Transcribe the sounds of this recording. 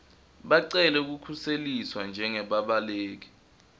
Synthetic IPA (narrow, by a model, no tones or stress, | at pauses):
ɓaǀɛlɛuk̬ukʰuseliswand͡ʒʱɛŋɛɓaɓaleːk̬i̥